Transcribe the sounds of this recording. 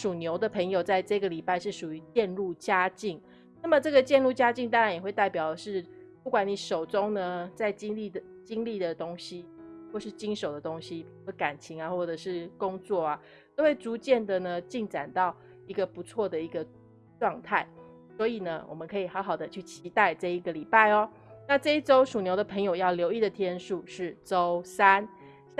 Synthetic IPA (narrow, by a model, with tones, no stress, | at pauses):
ʂu˨˩njo˧˥ʊd̪ə˨pʰə˧˥ŋjo˨ʊt͡sa˥˧ɪʈ͡ʂɤ˥˧ɡə˨li˨˩pa˥˧ɪʂɻ̩˥˩ʂu˨˩y˧˦t͡ɕjɛ˥˧nlu˥˩t͡ɕja˥t͡ɕi˥˩ŋ | na˥˩mə˩ʈ͡ʂɤ˥˩ɡə˩t͡ɕjɛ˥˧nlu˥˩t͡ɕja˥t͡ɕi˥˧ŋt̪̬ɑ˥ŋɻa˧˦njɛ˨˩xwe˥˧ɪt̪a˥˩ɪpjɑ˨˩ʊd̪ə˦ʂɻ̩˥˩ | pu˥˩kwa˨˥ni˨˦ʂo˨˩ʊʈ͡ʂʊ˦˥ŋnə˧t͡sa˥˩ɪt͡ɕi˥ŋli˥˩d̪ə˩ | t͡ɕi˥ŋli˥˩d̪ə˩t̪o˥ŋɕi˦wɔ˥˩ʂɻ̩˥˩t͡ɕi˥nʂo˨˩ʊd̪ə˩t̪o˥ŋɕi˦ | ə˧˥ka˨˩nt͡ɕʰi˧˥ŋa˧xwɔ˥˩ʈ͡ʂɤ˨˩ʂɻ̩˥˩kʊ˥˦ŋt͡swɔ˥˩a˩ | t̪o˥xwe˥˩ɪt͡su˧˥t͡ɕjɛ˥˩nd̪ə˨nə˩t͡ɕi˥˩ŋʈ͡ʂa˨˩nt̪ɑ˥˩ʊ | i˧˥ɡə˧pu˧˦t͡sʰwɔ˥˩d̪ə˩i˧˥ɡə˧ | ʈ͡ʂwɑ˥˧ŋt̪ʰa˥˩ɪ | swɔ˧˥i˨˩nə˦wʔɔ̰˨˩mə˦nkʰɤ˧˥i˨˩xɑ˧˥ʊxɑ˨˩ʊd̪ə˦t͡ɕʰy˥˩t͡ɕʰi˧˥t̪a˥˧ɪʈ͡ʂɤ˥˧i˧˥ɡə˨li˨˩pa˥˩ɪɔ˦ | na˥˧ʈ͡ʂɤ˥˧i˥ʈ͡ʂo˥ʊʂu˨˩njo˧˥ʊd̪ə˧pʰə˧˥ŋjo˨˩ʊjɑ˥˩ʊljo˧˥ʊi˥˩d̪ə˩t̪ʰjɛ˥nʂu˥˧ʂɻ̩˥˩ʈ͡ʂo˦˥ʊsa˦˥n